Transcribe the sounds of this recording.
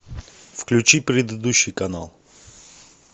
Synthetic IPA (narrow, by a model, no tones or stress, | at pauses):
fklʲʉt͡ɕipɾʲɪd̪ɨd̪uɕːɪjkɐnalˠ